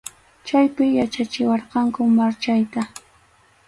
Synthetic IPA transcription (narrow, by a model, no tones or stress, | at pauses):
t͡ʃajpɪjat͡ʃat͡ʃɪwɑɾqɑŋkʊmaɾt͡ʃajt̪a